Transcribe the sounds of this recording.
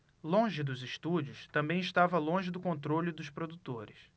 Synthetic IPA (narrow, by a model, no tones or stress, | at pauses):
lõʒɪd̪ʊzɪʃt̪ud͡ʒʊst̪ɐ̃mbẽj̃iʃt̪avɐlõʒɪd̪ʊkõnt̪ɾolʲʊd̪ʊspɾod̪ut̪oɾɪs